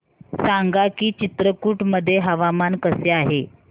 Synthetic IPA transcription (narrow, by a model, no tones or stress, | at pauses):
saŋɡakiːt͡ɕit̪ɾəkuːʈməd̪ʱːjeɦəʋamankəseaɦe